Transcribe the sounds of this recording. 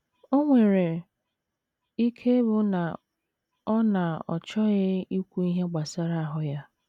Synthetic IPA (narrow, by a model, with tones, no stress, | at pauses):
o˦ŋʷe˨ɾe˨ | i˦kʰe˦bʊ˦na˨ | ɔ˦na˨ɔ̰˨t͡ʃɔ˦ɣɪ˦i˦kʷu˦i˦ɦe˦ɡ͡ba˨sa˦ɾa˦˨a˦˨ɦʊ˦ja˦